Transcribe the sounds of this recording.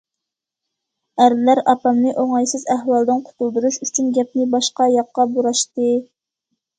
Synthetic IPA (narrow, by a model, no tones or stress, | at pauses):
æɾlæɾɑpɑmnɨʔoŋɑjsɨzæhwɑlˠd̪ɨnqʰʊ̥t̪ʰulˠd̪uɾuʃyt͡ʃʰynɡʲɛp̚nɪbɑʃqɑjɑqːɑbuɾɑʃt̪ɨ